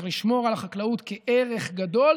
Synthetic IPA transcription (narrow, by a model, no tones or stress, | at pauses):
ʁliʃmo̞ʁalaχaklautkeʔeʁe̞χɡado̞l